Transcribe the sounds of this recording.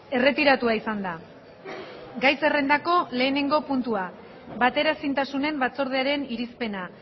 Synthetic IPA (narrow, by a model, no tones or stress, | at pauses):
e̞re̞t̪iɾat̪uaisand̪a | ɡajse̞re̞nd̪ako̞le̞ːne̞ŋɡo̞punt̪ua | βat̪e̞ɾasint̪asune̞mbat͡so̞ɾð̞eaɾe̞niɾispe̞na